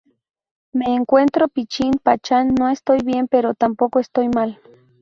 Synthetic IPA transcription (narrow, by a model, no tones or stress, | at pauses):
meːŋkʷent̪ɾopit͡ʃinpat͡ʃanːoest̪ojβjempeɾot̪ampokoest̪ojmal